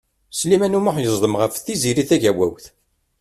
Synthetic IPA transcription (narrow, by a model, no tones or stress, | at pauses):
slimænumʊħjəzˤləmʁəfθiziɾiθæʝæwæ̰wθ